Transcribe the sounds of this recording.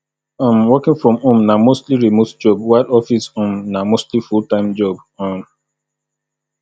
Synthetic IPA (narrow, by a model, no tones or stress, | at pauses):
ãmwɔkɪ̃ŋfɹɔ̃mõmnamostliɹimotd͡ʒɔb̚waɪdɔfisõmnamostlifultãɪ̃md͡ʒɔb | ɔ̃n